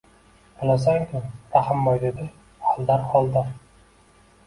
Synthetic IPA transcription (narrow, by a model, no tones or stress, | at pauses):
alas̬aŋkʰʲʊmɾahɪmːɒjd̪ed̪ɪ | hald̪aɾhɒlˠd̪aɾ